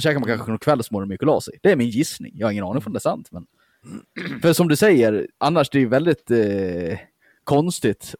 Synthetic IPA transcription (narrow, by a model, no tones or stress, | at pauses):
fʂɛːkɾamankʰanxəənɔnkʰvɛlːsmoːɾɛnmɪkːəlɑ̰ːsɛd̪̥ɛæɾmɪnjɪsnɪ̰ŋjɑːhaɾɪŋːənɑːnɪŋfɾɔmd̪ɛæːsa̰nt̪mɛn | fœɾsɔmd̪ɵsɛjːəɾʔanːaʂd̪ɛæɾjɵvɛld̪ɪt̪ | kʰɔnst̪ɪt̪